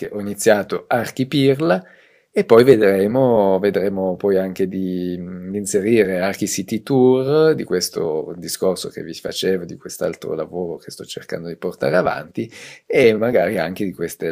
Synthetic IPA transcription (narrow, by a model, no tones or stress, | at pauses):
keʔɔinit̪sːjaːt̪oark̟ipirla | epːɔjved̪ɾeːmoved̪ɾeːmopɔjaŋked̪id̪iːnseɾiːɾeark̟isit̪it̪urd̪ikwest̪o̰d̪iskorso̰kḛvːifa̰t͡ʃeːvod̪ikwest̪a̰lt̪ɾo̰lavoːɾoke̥st̪ɔt͡ʃːḛrka̰nd̪od̪iport̪a̰ːɾeava̰nt̪iemaɡaːɾiaŋk̟ed̪ikwest̪e